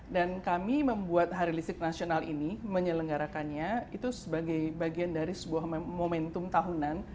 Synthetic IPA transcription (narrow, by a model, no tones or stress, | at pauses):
dankamiməmbuat̪̚ɦaɾilisɪk̚nasionalḭniməɲələŋɡaɾakanɲait̪usəbaɡajbaɡiandaɾisəbuahmomɛnt̪ʊmt̪aɦunan